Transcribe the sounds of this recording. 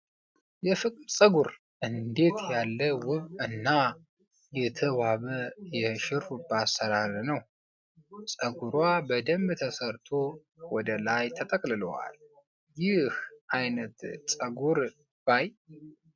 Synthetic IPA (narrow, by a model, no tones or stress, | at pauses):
jɛfɨkʼɨdsʼəɡuɾ | ʔɨnd̪e̞t̪jalːəwʊβɨnːa | jɛt̪ʰəβaβəjɛʃɪɾubəasːəɾaɾnəw | sʼəɡuɾwabəd̪əmbt̪ʰəsəɾt̪ʰo̞ | wɔd̪əlajt̪ʰət̪ʼəkʼlɨlowa̰l | jɪhʔajnət̪sʼəɡuɾ | b̥aj